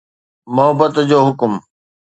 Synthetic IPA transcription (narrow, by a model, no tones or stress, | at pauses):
mʊɦəbət̪d͡ʑoːɦʊkm